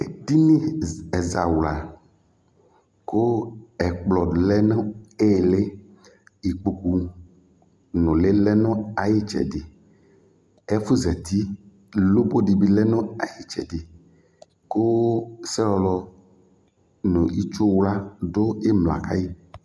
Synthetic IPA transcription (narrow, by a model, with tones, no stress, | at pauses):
e˨di˦nĩ˦ɛ˨za̰˨wla˨ | ko˦ɛ˨k͡plɔ˨lɛ˦nõ˦e˦˨le˦ | i˨k͡po˨ku˨ | nõ˨le˦lɛ˦nõ˦a˨ji˦t͡ʃɛ̰˨di˨ | e˦fu˦zɛ˨t̪i˦ | lo˦bo˦di˨bi˨lɛ˦nõ˦a˨ji˦t͡ʃɛ̰˨di˨ | ko˦sɛ˦lɔ˨lɔ˦ | nõ˨i˦t͡ʃo˦wla˦do˦e˦mlõ˨a̰˨ka̰˦ji˦